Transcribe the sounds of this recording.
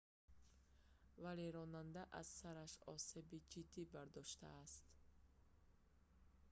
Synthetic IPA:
vale̞ɾɔnand̪aʔaz̥saɾaʃɔse̞bid͡ʒid̪ːibaɾd̪ɔʃt̪a̰ːst̪

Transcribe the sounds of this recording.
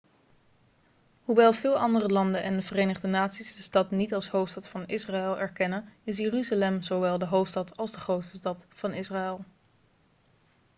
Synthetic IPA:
ɦuʋɛlˠvɪːlˠʔɑndərəlɑndənʔɛndəvərejnəχdənaːtsizdəstɑtnitɑlˠsɦowftstɑtfɑnɪsraɛlˠɛɹkɛnənɪs̬jəryzalɛmzoʋɛlˠdəɦowftstɑtɑlˠzdəχrowtsəstɑtfɑnɪsraːɛlˠ

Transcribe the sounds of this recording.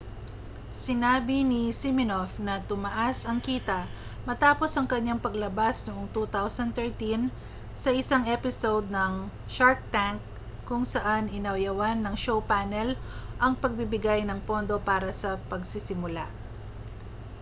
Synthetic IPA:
sɪnaːbɪnɪsɪmɪnofnɐt̪ʊmɐʔasɐŋkiːt̪ɐ | mɐt̪aːpo̞sɐŋkɐɲːaŋpɐɡlɐbasnoʔo̞ŋt̪ut̪awsɐnt̪ɛɹt̪in | sɐʔɪsaŋʔɛpɪsowd̪̚nɐŋ | ʃaɹt̚t̪aŋkː | ʊŋsɐʔanɪnɐwjɐwanːɐŋʃowpanɛlʔɐŋpɐɡ̚bɪbɪɡajnɐŋpo̞nd̪o̞paːɾɐsɐpɐɡsɪsɪmʊla

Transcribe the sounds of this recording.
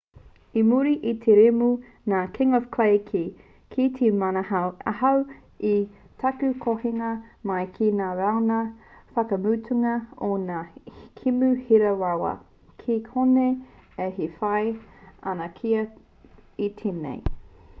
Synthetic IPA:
imuɾiʔit̪ʰeɾemu | naːkʰɪŋɔvkʰlejkʰi | kʰitʰimanhaɐ̰hɐw | i | tʰɐkʉkʰoheŋɐmɐjkʰinaːɾaonɐfɐkɐmutʰuŋɐonaːkʰimʉhiɾɐwawɐ̰ | kʰikʰoneehifɐjɐ̰nɐkʰiɐ | it̪ʰenḛj

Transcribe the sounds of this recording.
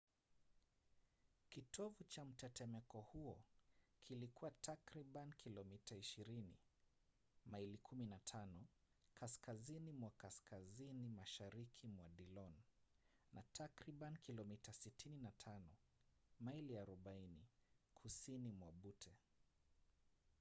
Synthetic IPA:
kitʰɔvut͡ʃam̩tɛtʰɛmɛkɔhuɔkʰilikuwatʰakɾiɓanikʰilɔmitaiʃiɾinḭ | mailikʰuminatʰanɔ | kʰaskazinimwakaskʰazinimaʃaɾikʰimwaɗilɔn | nʔatʰakɾiɓanikʰilɔmitasitʰininatʰanɔ | mailiaɾɔɓainikʰusinimwaɓutʰɛ

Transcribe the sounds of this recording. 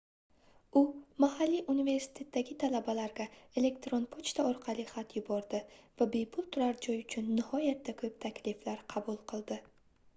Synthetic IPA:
ʊmahalːiʔunive̞ɾsɪ̥t̪ʰe̞t̪ːaɡʲɪt̪ʰalabalaɾɡʲae̞le̞kt̪ɾonpʰot͡ʃt̪ʰaɒɾqʰɑliχat̪ʰjʊbɒɾd̪ɪvabe̞jpʰʊlˠt̪ʰʊɾaɾd͡ʒɒjʊt͡ʃʰʊnːɪhɒjat̪ːakʰɵp̚t̪ʰakʲlɪflaɾqʰɑbʊlˠqʰɨlˠd̪ɪ

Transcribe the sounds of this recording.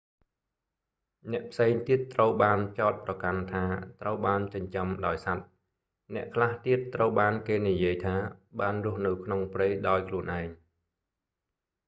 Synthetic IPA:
nɛ̆əʔpʰseːŋt̪iət̪ːrəwɓaːnt͡ɕaɔt̪̚prɑkant̪ʰaːt̪rəwɓaːnt͡ɕəɲt͡ɕəmɗaɔjsat̪̚ | nɛ̆əʔkʰlaht̪iət̪ːrəwɓaːnkeːnijiəjt̪ʰaːɓaːnrʊ̆əhnɨwkʰnoŋprɨjɗaɔjkʰluənʔaɛŋ

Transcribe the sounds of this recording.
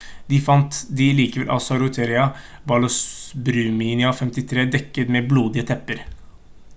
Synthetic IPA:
d̪ɪfɑnt̪d̪ɪliːkəʋɛlʔɑ̰sɔɑɾʊt̪ʰeːɾɪɑ | bɑlɔsbɾʉːmiːnɪɑfɛmt̪ɪt̪ʰɾeːd̪ɛkːət̪mɛbluːd̪ɪət̪ʰɛpːəɾ

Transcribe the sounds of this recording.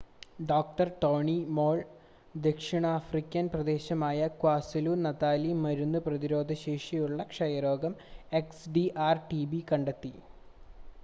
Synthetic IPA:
ɖoːk̚ʈɐrʈo̞ːɳimo̞ːɭ | d̪e̞kʂiɳɐːfrikʲːɐnprɐd̪e̞ːɕɐmaːjɐkwaːsiluːnɐt̪aːlimɐɾunːuprɐðiɾo̞ːd̪ʱɐɕeːʂijuɭːɐkʂɐjɐɾo̞ːɡɐme̞ksɖiʔaːrʈibikɐɳɖet̪ːi

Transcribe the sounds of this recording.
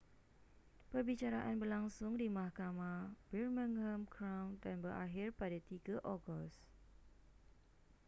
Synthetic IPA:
pərbit͡ʃaɾaʔanbərlaŋsʊŋdimahkamãbɛrmə̃ŋhəmkʰɾawndanbərʔa̰ɦirpadat̪iɡaʔɔɡɔs

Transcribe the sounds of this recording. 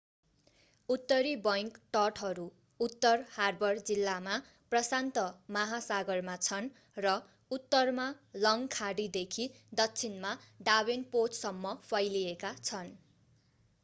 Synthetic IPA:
ut̪ːʌɾibʌjŋkʈʌʈɦʌɾu | ut̪ːʌrharbʌrd͡zilːama | prʌsant̪ʌmaɦasaɡʌrmat͡sʰʌn | rʌ | ut̪ːʌrmalʌŋkʰaɽid̪ekʰi | d̪ʌkt͡sʰinmaɖawenpot͡ssʌmːʌpʰʌjlijekat͡sʰʌn

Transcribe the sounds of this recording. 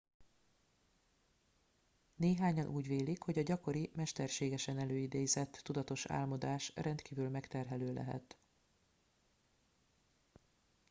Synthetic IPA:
neːɦaːɲɒnʔuːɟʋeːlikho̞ɟɒɟɒko̞ɾimɛʃt̪ɛrʃeːɡɛʃɛnɛløːjid̪eːjzɛt̪ːud̪ɒt̪o̞ʃa̰ːlmod̪aːʃrʔɛnt̪kiːvylmɛkt̪ɛrɦɛløːlʔɛ̰ɦɛ̰t̪

